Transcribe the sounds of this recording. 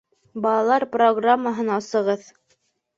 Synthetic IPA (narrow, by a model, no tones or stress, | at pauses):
bɑlˠɑlˠɑɾproɡramːaɦɤnɑsɤ̆ʁɤð